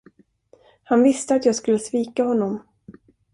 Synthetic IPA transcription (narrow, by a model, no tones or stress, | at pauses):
hanvɪst̪əat̪jɑːɡskɵlːəsviːkahɔnːɔm